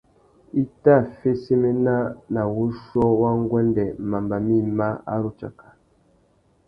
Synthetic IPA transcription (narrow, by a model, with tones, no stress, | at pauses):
i˦ta˦˨fe˦se˦me˦na˦na˨wu˦ʃɔ˦wa˦ŋ˦ɡwɛ˦ndɛ˨ma˨mba˨mi˦ma˦a̰˦ɾu˨t͡ʃa̰˨kḁ˨